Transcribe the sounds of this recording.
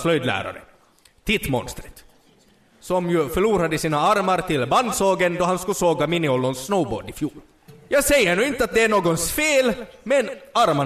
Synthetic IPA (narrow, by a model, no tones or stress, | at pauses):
slœjd̪læ̰ːɾa̰ɾə̰ | t̪ʰɪt̪mɔ̰nst̪ɾət̪ | sɔmjɵfœɭuːɾad̪əsiːnaaɾmaɾt̪ʰɪlband̪soːɡənd̪ɔɦanskɵsoːɡamɪnɪɔlːɔnsːnɔʊbo̰ːɖɪfjuːɾ | jɑːɡsɛjːənʉːɪnt̪əat̪̚d̪ɛæɳoːɡɔnsfeːlmɛnaɾma